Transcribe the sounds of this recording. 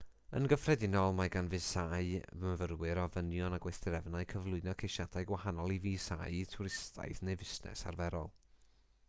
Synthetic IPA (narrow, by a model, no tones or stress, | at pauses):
ə̰nɡəfrɛdɪnɔlˠmaɡanvɨsaɨvəvərwɨɾɔvənjɔnaɡwejθdɪɾɛvnaɨkʰəvlˠʊɨnɔkʰejʃad̥aɨɡwahanɔlˠiviːsa̰jtʰʊɾɪstʰa̰jθnejvɪsnɛ̰sa̰rvɛɾɔlˠ